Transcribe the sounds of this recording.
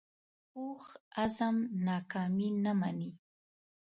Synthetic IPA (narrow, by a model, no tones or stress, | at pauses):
uχazamnakaːminamani